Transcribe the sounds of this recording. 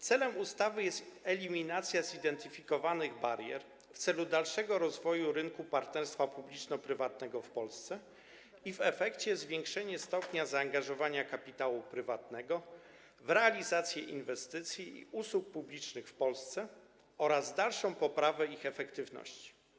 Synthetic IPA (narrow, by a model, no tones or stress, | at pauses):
t̪sɛlɛmust̪avɘjɛst̪ɛlʲimʲinat̪sʲjazid̪ɛnt̪ɘfʲikɔvanɘɣbaɾjɛ̰ɾ | ft̪sɛlud̪alʂɛɡɔɾɔzvɔjuɾɘŋkupaɾt̪nɛɾst̪fapublʲit͡ʂnɔpɾɘvat̪nɛɡɔfpɔlst̪sɛ | ivɛfɛkt͡ɕɛzvʲjɛ̃ŋkʂɛɲɛst̪ɔpɲazaːŋɡaʐɔvaɲakapʲit̪awupɾɘvat̪nɛɡɔ | vɾɛalʲizat̪sʲjɛʔḭnvɛst̪ɘt̪sʲjiḭʔuswuk̚publʲit͡ʂnɘxfpɔlst̪sɛ | ɔɾazd̪alʂɔ̃w̃pɔpɾavɛixɛfɛkt̪ɘvnɔ̰ɕt͡ɕi̥